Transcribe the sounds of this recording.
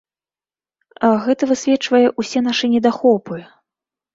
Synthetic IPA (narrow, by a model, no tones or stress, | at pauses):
ɐɣɛt̪ɐvɨsʲvʲɛt͡ʂvɐjɛʔusʲɛn̪aʂɨnʲɛd̪axɔpɨ